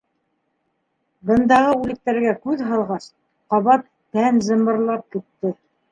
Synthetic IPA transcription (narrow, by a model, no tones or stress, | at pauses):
bɤ̆nd̪ɑʁɤʉlɘ̆k̚t̪æɾɡækʉðɦɑlˠʁɑs | qɑβɑt̪̚ | pænzɤ̆mɤ̆ɾlˠɑp̚kɘ̆t̪ːɘ